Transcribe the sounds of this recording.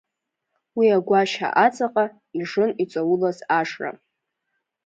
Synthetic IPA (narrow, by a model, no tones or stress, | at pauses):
wiaɡʷaʃa̰ʔat͡sʼaqʼa | iʐɨnit͡sʷʼawʊlazaʂra̰